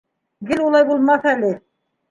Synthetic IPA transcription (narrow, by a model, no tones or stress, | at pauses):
ɡɘlulˠɑjbulˠmɑθælɘ